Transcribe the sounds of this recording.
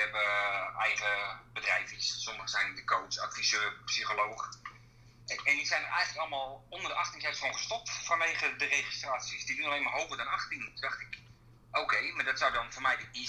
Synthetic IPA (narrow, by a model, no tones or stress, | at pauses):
ɛbəɛjχəbədrɛjfissɔməχəzɛjndidəkowsa̰kfisøːpsixoloːχə | ɛndisɛjnərʔɛjɣənləkɔlˠmaːlˠɔndərdəʔɑxtiŋsɛtoːnχə̥stɔp̚tfanʋejɣədərejχistraːtsəsdidunalejmaɦowvərdɔnɑxtiŋtudɔxtɪk | oːkejmadɔtsawdɔnfoːrmɛjdəi